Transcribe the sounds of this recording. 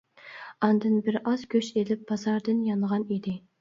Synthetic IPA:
ɑnd̪ɨnbɪɾɑzkʲʰøʃelɪp̚b̥ɑzɑɾd̪ɨnjɑnʁɑnid̪ɪ

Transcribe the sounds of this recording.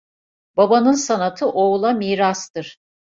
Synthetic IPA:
babanɯnsanat̪ʰɯʔolˠamiːɾast̪ɯɾ̥

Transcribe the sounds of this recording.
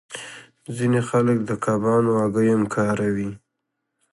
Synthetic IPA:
zinexalək̚d̪əkabɑnoaɡəjamkʰɑɾawi

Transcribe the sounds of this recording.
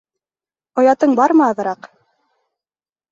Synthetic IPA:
ŏjɑt̪ɤɴbɑɾmɤɑðɤ̆ɾɑq

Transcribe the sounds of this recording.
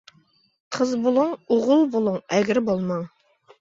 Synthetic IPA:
qʰəzbolˠuŋoʁʊlˠbolˠuŋɛɡʲɾɪbolˠmɑŋ

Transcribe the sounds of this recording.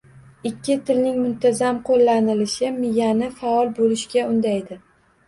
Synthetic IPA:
ɪkʲʰːɪt̪ʰɪlnɪŋmʊnt̪ʰazamqʰolːanɪlɪʃɪmɪjanɪfaɒlˠbolɪʃkʲaʊnd̪ajd̪ɪ

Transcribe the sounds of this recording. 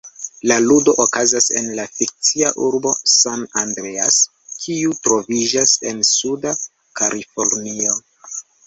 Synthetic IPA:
laludo̞ʔokazase̞̰nlafik̚t͡siaʔuɾbo̞sanandɾe̞as | kʰiutɾo̞vid͡ʒase̞nsuda | kalʔifo̞ɾnio̞

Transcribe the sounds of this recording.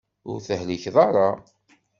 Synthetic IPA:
ʊɾθəhliçðˤɑɾˤɑ

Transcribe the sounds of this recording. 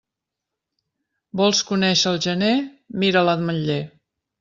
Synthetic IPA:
bɔlˠskunɛʃəːlˠʒəne | miɾələðməʎːe

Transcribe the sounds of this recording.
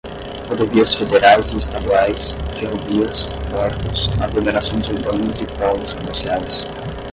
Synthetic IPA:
hod̪oviɐsfed̪eɾajziest̪ad̪uajsfeɦoviɐspɔɾt̪ʊsaɡlomeɾasõj̃zuɾbɐ̃nʊzipɔnʊskomeɾsiajs

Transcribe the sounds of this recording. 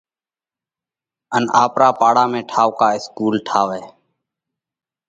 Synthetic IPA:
ənaːpɾaːpaːɽaːmẽːʈʰaːʋkaːɪskuːlʈʰaːʋɛː

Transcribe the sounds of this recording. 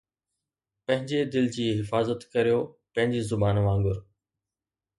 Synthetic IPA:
pɐ̃ɦɪ̃ɲd͡ʑed̪ɪld͡ʑiːɦɪfaːzət̪kɐɾijopɐ̃ɦɪ̃ɲd͡ʑizʊbaːnʋãːŋɡʊɾ

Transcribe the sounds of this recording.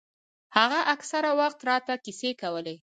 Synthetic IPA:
haɣaʔaksaɾawaxt̪ɾɑt̪akisekawəle

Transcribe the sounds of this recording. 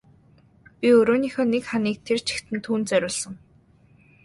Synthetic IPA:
pʲiɵɾoːniːxɔːnekχaniːk̚t̪ʰert͡ɕʰi̥xt̪ʰɘ̆nt̪ʰuːnt͡sœɾʲʊːɮsə̆ŋ

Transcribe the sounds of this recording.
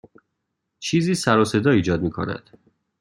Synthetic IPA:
t͡ʃʰiːziːsæɾose̞d̪ɒːiːd͡ʒɒːd̪̚miːkʰo̰næ̰d̪̥

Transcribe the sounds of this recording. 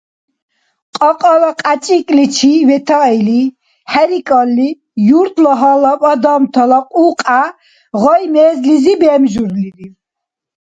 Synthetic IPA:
qʼɔqʼɔlaqʼat͡ʃʼikʼlit͡ʃʰivɛt̪ʰaili | hɛɾikʼɔlːi | juɾt̪ʰlɔɦalapʼad̪ɔmt̪ʰɔlaqʼuːqʼa | ʁɔjmɛːzlizibɛːmʒuɾliɾi

